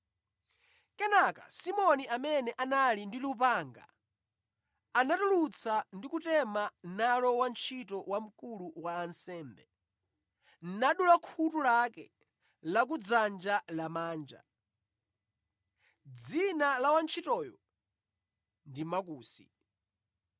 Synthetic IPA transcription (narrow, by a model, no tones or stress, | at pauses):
kɛnaka̰simɔniʔamɛnɛʔanalindilupaːŋɡa̰ | anatulut͡sʰandikutɛmanalɔwant͡ʃʰitɔwam̩kuluwaːnsɛːmbɛ | nnaɗulakʰutulakɛ | lak̬ud͡zand͡ʒalamaːnd͡ʒa̰ | d͡zinalawant͡ʃʰitɔːjɔ̰ | ndimak̬uːsḭ